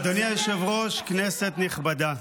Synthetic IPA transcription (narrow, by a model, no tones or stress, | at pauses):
d̪onjajeʃevʁoʃkneset̪niχbad̪a